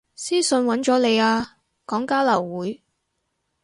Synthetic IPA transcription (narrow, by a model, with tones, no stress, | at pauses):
siː˥sɵ˧nwɐ˨˥nt͡ʃɔː˨˥le˨˧jaː˧ | kɔː˨˥ŋkaː˥lɐ˨˩wwuː˨˥j